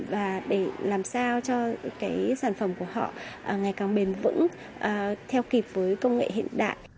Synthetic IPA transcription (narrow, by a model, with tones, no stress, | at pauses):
vaː˨˩ɗe˧˩laː˨˩msaː˧wt͡ɕɔ˧kaː˨˦jsaː˧˩nfə˧˩mku˧˩əɦɔ̰˧˨ʔəː˨˩ŋa˨˩jkaː˨˩ŋɓe˨˩nvɨ̰˧˥ŋ | ʔəː˨˩t̪ʰɛ˧wki˨˩p̚vəː˨˦jkə˧wŋ͡mŋḛ˧˨hḭ˧˨ənɗa̰ː˧˨jʔ